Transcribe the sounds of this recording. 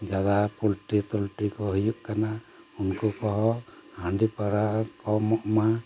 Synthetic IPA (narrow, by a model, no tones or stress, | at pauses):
d͡ʒad̪apulʈit̪ulʈɾikɔɦujuʔkana | unkɔkɔɦɔhaɳɖipaɾakɔmɔʔma